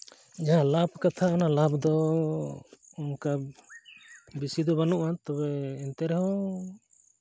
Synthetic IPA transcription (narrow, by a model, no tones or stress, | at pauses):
d͡ʒaɦãlabkat̪ʰaanalabd̪ɔ | ɔmka | bisid̪ɔbanuʔat̪ɔβɛɛnt̪ɛɾɛɦɔ̃